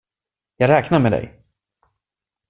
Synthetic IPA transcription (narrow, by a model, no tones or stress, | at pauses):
jɑːɡɾɛːknaɾmɛd̪ɛ̰j